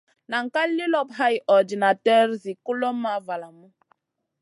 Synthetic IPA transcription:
na˨ŋ̩˨ka˦li˦lɔ˦pɦa˦jʔɔ˨di˨na˨tɛ˦ɾzi˨ku˦lɔ˦ma˦va˨la˨mu˦

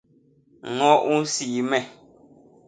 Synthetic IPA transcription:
ŋɔ˦ʔu˦n̩˦siː˨mɛ˨

